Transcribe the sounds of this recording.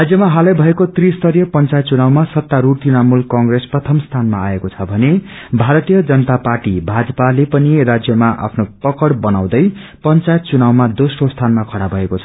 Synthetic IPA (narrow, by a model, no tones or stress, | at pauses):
rad͡zjʌmaɦalʌjbʱʌekot̪rist̪ʌɾjʌpʌnt͡sajt̪t͡sunawmasʌt̪ːaɾut̪inamulkʌŋɡresprʌt̪ʰʌmst̪ʰanmaaekot͡sʰʌbʱʌne | bʱaɾʌt̪ijʌd͡zʌnʌt̪aparʈibʱad͡zʌpalepʌnirad͡zjʌmaʔa̰pʰnopʌkʌɽbʌnaw̃d̪ʌj | pʌnt͡sajt̪̚t͡sunawmad̪osrost̪ʰanmakʰʌɽabʱʌekot͡sʰʌ̥